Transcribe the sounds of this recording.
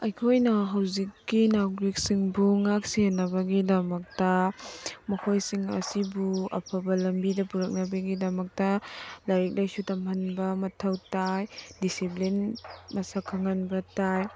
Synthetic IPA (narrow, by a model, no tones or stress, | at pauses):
ɐjkʰojnɐɦawzikːinaɡɾik̚siŋbuŋak̚sienːɐbɐɡidɐmɐk̚tɐ | mɐkʰojsiŋɐ̰sibuɐ̰pʰɐbɐlɐmbidɐpuɾɐk̚nɐbɐɡidɐmɐk̚tɐlɐɾik̚lajsutɐmhɐnbɐmɐtʰɐwtajdisiplinmɐsakʰːɐŋɐnbɐtaj